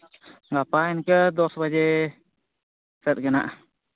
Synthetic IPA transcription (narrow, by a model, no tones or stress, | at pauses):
ŋɡapaɛnkəd̪ɔsbad͡ʒɛ | sɛt̪̚ɡəna̰ʔ